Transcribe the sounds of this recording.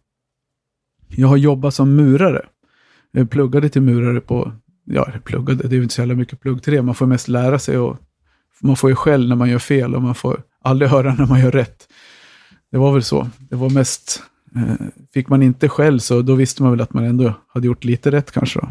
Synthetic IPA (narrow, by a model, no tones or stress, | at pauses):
jɑːɡhaɾjɔbːat̪sɔmːʉ̟ːɾaɾə̰ | pʰlɵɡːad̪ət̪ʰɪlmʉ̟ːɾaɾəpʰɔ̰ | jɑ̰ːpʰlɵ̰ɡːad̪əd̪ɛɾjʉʏɪəsɔjæːlamʏkːəpʰlɵɡːt̪ʰɾeːmanfoːɾmɛst̪læːɾasɛ̰jɔ̰ | manfoːjəɧɛlːnæɾmanjœːfeːlɔ̰manfo̰ːɾ | ʔald̪ɾɪɦœːɾanæɾmanjœːɾːɛt̪ː | d̪̥ɛvaɾvɛlsɔ̰d̪ɛvaɾmɛst̪ | fɪkːmanɪnt̪əɧɛlːsɔd̪ɔvɪst̪əmanvɛlat̪manɛnd̪ɔhad̪ːəjʊʈːliːt̪əɾɛt̪ːkʰa̰nʂəd̪ɔ̰